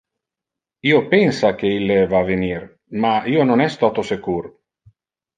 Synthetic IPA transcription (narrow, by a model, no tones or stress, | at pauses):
iopɛnsak̟eilːevavenir | maiːononɛst̪ɔt̪osekuɾ